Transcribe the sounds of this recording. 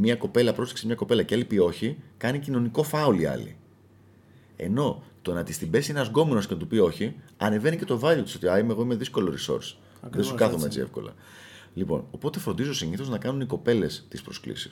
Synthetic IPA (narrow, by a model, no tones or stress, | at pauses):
mɲɐko̞pe̞lɐpɾo̞se̥ksmɲɐko̞pe̞lɐcealipio̞çikɐnicino̞niko̞fɐuliɐ̰lḭ | e̞̰no̞t̪o̞nɐt̪ist̪ibe̞sieneɐzɡo̞menoscenɐt̪upio̞çiɐne̞ve̞nice̞t̪o̞vɐjot̪i̥so̞t̪iɐajmeɣo̞ime̞ðisko̞loɾiso̞̰ɾs | ðessukɐθomee̞t͡sie̞̰fko̞lɐ̰ | lipo̞̰no̞po̞t̪efɾond̪izosiɲiθo̞znɐkɐnuniko̞pe̞le̞st̪ispɾo̞sklḭsi̥s